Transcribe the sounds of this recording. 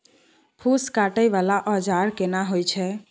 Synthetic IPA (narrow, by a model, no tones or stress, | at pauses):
pʰuskaːʈəjʋalaʔɔd͡ʒaːɾkenaɦojt͡ʃʰɛ